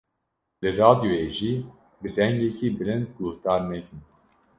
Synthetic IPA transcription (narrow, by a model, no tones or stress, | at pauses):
lɨɾɑːd̪ijoeːʒiː | bɨd̪ɛŋɡɛkʰiːbɨlɨnd̪̚ɡuht̪ɑːɾnɛkʰɨn